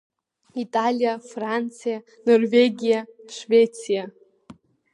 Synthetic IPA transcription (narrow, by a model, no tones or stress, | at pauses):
itʼalʲijafrant͡sʰija | norveɡʲijaʂvʲet͡sʰija